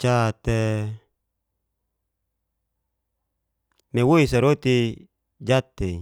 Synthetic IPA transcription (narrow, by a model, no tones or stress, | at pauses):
t͡ʃat̪e | mewoisaɾot̪i | d͡ʒat̪ːei